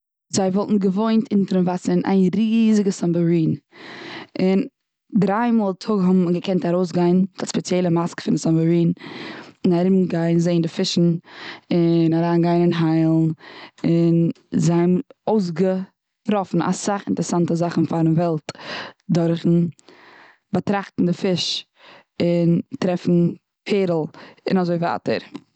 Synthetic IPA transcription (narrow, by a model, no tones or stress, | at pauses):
zaɪvɔlˠtn̩ɡəvoɪntʰɪntəɾənvasəna̰ɪnɾiːzɪɡəsambəɹiːn | ɪn | dɾaɪmɔːlˠtʰʊɡɦʊbmɡəkʰɛntaɾoʊs̬ɡaɪndaspɛt͡sjɛlˠəmaskə̥fɪndɪsambəɹiːn | ɪnaɾɪmɡaɪnzeɪndɪfɪʃn̩ɪnaɾaːnɡaɪnɪnɦaɪlˠnɪn | zaɪmoʊs̬ɡə | ɾɔfn̩a̰saχɪ̰ntəɾəsantəzaχn̩faɾnvɛlˠtdɔɾχn̩ | bətɾaχtn̩dɪfɪʃ | ɪntɾɛfn̩ | pʰeːɾl̩ˠɪ̰nazoɪva̰ːtə̰ɾ